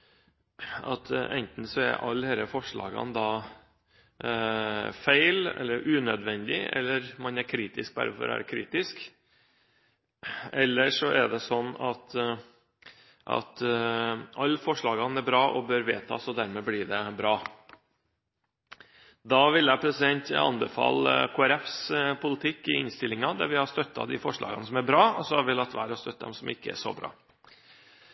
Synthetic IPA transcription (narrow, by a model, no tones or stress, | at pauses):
ɑ̰t̪ʰʔɛnt̪n̩sɔæ̰ɾʔɑlːheːɾəfɔʂɭɑ̰ːɡɑ̰nd̪ɑː | fæɪlɛ̰lːəɾʔʉːnœd̪ʋɛnd̪ɪɛ̰lːəɾmɑnæɾkʰɾiːt̪ɪsk̚bæ̰ɾfɔ̰ɾæ̰ɾkʰɾḭːt̪ɪsk | ɛlːəʂɔʔɛɖ̪ɛsɔnːɑt̪ | ʔɑ̰t̪ | ɑlːfɔʂɭɑːɡɑnæɾbɾɑːʔɔbøːɾʋḛːt̪ʰɑ̰ːsɔd̪æɾmɛːblɪːɖɛbɾɑː | d̪ɑːʋɪlːæpʰɾɛsɪd̪ɛnt̪ɑ̰nbəfɑ̰lːəkʰoːæɾɛfspʰʊlɪt̪ʰɪkːɪɪnst̪ɪlɪŋɑd̪æɾʋɪhɑʂt̪œt̪ːɑ̰d̪ɪ̰fɔʂɭɑ̰ːɡɑnəsɔmæɾbɾɑːɔsɔhɑɾʋɪlɑt̪ːʋæːɾhɑst̪œt̪ːd̪ɛ̰msɔmʔɪkːəæ̰ʂɔ̰bɾɑ̰ː